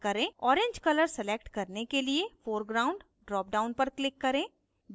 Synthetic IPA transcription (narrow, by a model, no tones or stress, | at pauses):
kɐɾẽːɔːɾẽɲd͡ʒkɐləɾsɛleːk̚ʈkɐɾnekeliefoːɾɡɾaːʊ̃ɳɖ | ɖɾɔːp̚ɖaːʊ̃npɐɾklɪkːɐɾẽː